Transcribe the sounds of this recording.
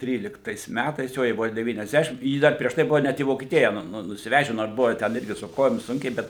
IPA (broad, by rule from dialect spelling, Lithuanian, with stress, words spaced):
ˈtʲrʲiːlʲɪktɐɪs ˈmʲætɐɪs ˈjoː jɛɪ ˈbʊʋoː dʲɛʋʲiːnʲɛzʲˈdʲæːʃʲɪm ˈjiː ˈdɐr pʲrʲiɛʃ ˈtɐɪ ˈbʊʋoː ˈnʲɛt iː ʋoːkʲiɛˈtʲɪjɛ ˈnʊ nʊsʲɪˈʋʲæːʒʲɛ noːr ˈbʊʋoː ˈtʲɛn ˈɪrʲɡʲɪ sʊ ˈkoːjoːm ˈsʊŋʲkʲɛɪ ˈbʲɛt